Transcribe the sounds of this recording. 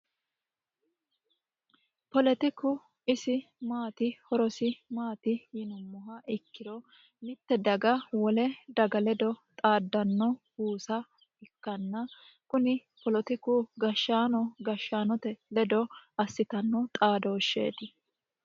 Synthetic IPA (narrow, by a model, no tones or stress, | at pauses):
pɔlɛt̪ɪkʊ | ɪsɪmaːt̪ɪhɔɾɔsɪmaːt̪ɪjɪnʊmːɔɦɐʔɪkːɪd̪ɔ | mɪt̪ːɛd̪ɐɡɐwɔlɛd̪ɐɡɐlɛd̪ɔt̪ʼaːd̪ːɐnːɔhuːsɐ | ɪkːɐnːɐ | kʊnɪpɔlɔt̪ɪkʊɡɐʃːaːnɔɡɐʃːaːnɔt̪ɛlɛd̪ɔɐsːɪt̪ɐnːɔt̪ʼaːd̪ɔːʃːḛːt̪ɪ